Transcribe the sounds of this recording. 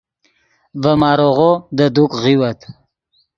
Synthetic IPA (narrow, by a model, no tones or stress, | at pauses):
vəmɑːɾoʁod̪əd̪ukɣiwat̪